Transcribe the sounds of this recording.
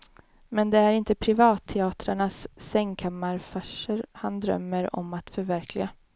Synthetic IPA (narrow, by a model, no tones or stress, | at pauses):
mɛnd̪ɛæɾɪnt̪əpʰɾɪvɑːt̪ʰːɛɑːt̪ɾaɳasːɛŋːkʰamaɾfaʂəɾhand̪ɾœ̰mːəɾɔ̰mat̪fœɾvæɾkʰlɪɡa